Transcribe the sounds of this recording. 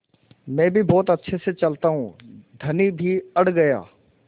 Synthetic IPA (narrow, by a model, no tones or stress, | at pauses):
mɛ̃ːbʱibɔːt̪ɐtːʃʰeset͡ʃɐlt̪aɦũd̪ʱɐnibʱiɐɽ̤ɡɐja̰ː